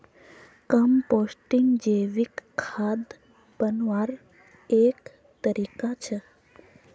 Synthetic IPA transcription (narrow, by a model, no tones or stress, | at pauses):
kəmposʈiŋɡd͡ʒeʋikʰːad̪ | bənʋaɾ | ek | t̪əɾikat͡ʃʰe